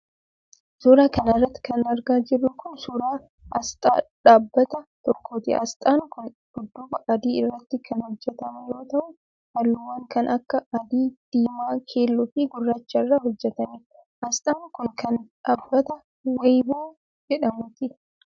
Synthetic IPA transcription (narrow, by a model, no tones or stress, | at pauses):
suːɾaːkɐnɪrːɐt̪ːɪ̥kɐnɐɾɡaːd͡ʒɪrːʊkʊnsuːɾaː | ʔɐst̪ʼa̰ːᶑaːbːɐt̪ɐt̪ɔkʰːoːt̪ɪ̰ʔɐ̰st̪ʼaːŋkʊn | hʊd̪ːʊbɐʔɐd̪iːɪrːɐt̪ːɪkʰɐnhɔd͡ʒːɛt̪ɐmɐjo̞ːt̪ɐʔʊ | hɐlːʊwɐŋkɐnʔɐkːɐɐd̪iːd̪̥iːmaːkʰeːlːʊfiɡʊrːaːt͡ʃːɐɪrːahɔd͡ʒːɛt̪ɐni | ʔɐst̪ʼaːŋkʊnkʰɐnᶑaːbːɐt̪ɐ | wɐjboː | d͡ʒɛᶑɐmʊt̪ɪ